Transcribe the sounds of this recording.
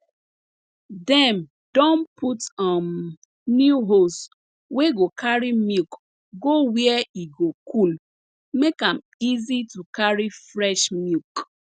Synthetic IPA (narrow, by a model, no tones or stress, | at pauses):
dɛm | dɔ̃npʰutam | njuɦos | weɡokʰaɹimik | ɡowiɛiɡokʰul | mekãm | izitukaɹifɾɛʃmilk